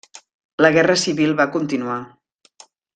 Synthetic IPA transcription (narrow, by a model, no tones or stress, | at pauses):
ləɣɛrəsiβilˠβakunt̪inua